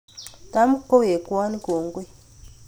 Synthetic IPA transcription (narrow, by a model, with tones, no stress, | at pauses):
ta˦mu˦kːo˦we˨kwa˦ni˦ko˨ŋ˦ɡwe˦